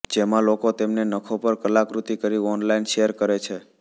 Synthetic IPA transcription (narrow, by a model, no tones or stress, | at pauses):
d͡ʒemãlokot̪emnenəkʰopəɾkəlakɾut̪ikəɾiɔnlainʃeəɾkəɾet͡ʃʰe